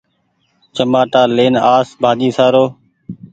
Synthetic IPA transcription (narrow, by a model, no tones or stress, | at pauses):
t͡ʃəmaːʈaːleːnaːsbʱaːd̪iːsaːɾoː